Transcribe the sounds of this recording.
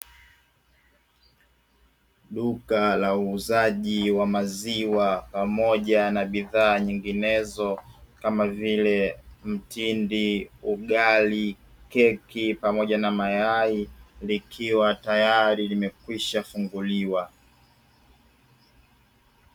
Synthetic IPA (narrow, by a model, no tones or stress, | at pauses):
ɗukalauːzaʄiwamaziwapamɔʄanaɓiðaːɲiŋɡinɛzɔkamavilɛm̩tindiuɠali | kɛkipamɔʄanamajailikʰiwatajaɾilimɛkwiʃafuŋɡuliwa